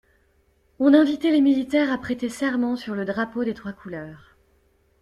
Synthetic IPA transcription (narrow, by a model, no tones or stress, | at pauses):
ɔ̃nɛ̃vit̪ɛlemilit̪ɛʁapχet̪esɛʁmɑ̃syʁləd̪ʁapod̪et̪χwakʰulœːʁ